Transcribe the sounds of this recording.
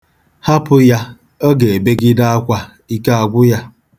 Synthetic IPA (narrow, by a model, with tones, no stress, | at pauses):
ha˦pʊ˦ja˦ | o˦ɡe˨e˨be˦ɡɪ˦da˦a˦kʷa˦ | i˦ka˦a˨ɡʷʊ˦ja˦